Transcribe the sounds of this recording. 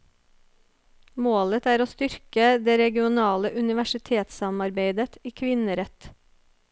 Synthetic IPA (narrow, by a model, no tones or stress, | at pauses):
moːlət̪æːɾoːst̪ʏɾkəd̪eːɾɛɡɪʊnɑːləʔʉnɪʋæʃɪt̪ʰeːt̪sɑmɑɾbeɪd̪ət̪iːkʰʋɪnəɾɛt̪